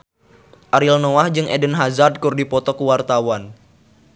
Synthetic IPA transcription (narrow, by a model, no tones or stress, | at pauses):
ʔaɾilnoahd͡ʒɨŋʔedənɦazad̚kurdipɔt̪ɔkuwart̪awan